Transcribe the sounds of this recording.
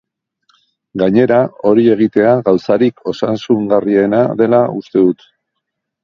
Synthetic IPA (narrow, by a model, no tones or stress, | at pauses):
ɡaɲe̞ɾao̞ɾie̞ɣ̞it̪e̞aɣawsaɾikʰo̞sansuŋɡarie̞naðe̞laust̪e̞ðut̪